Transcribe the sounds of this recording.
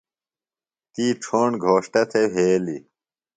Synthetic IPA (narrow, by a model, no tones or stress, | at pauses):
t̪iːʈ͡ʂʰoːɳɡʱoːʂʈɐt̪ʰeɦeːli